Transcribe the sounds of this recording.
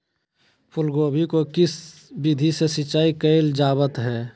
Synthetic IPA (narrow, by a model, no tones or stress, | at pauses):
pʰʊlɡoːbʱikokɪsbid̪ʱisesɪt͡ʃaːikəɪld͡ʒaːbət̪ɦɛː